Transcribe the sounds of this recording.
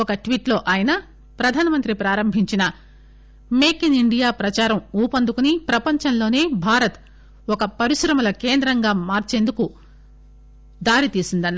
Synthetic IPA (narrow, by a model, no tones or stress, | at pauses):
ɔkɐʈʋiːʈlo̞ːʔaːjɐnɐ | pɾɐd̪ʱaːnɐmɐnt̪ɾipɾaːɾɐmbʱiɲt͡ʃinɐ | meːkiniɳɖijaːpɾɐt͡ʃaːɾɐmuːpɐnd̪ukunipɾɐpɐɲt͡ʃɐnlo̞ːne̞ːbʱaːɾɐt̪ | ɔkɐpɐɾiʃɾɐmɐlɐkeːnd̪ɾɐŋɡaːmaːɾt͡ʃe̞ːnd̪uku | d̪aːɾit̪iːsind̪ɐnː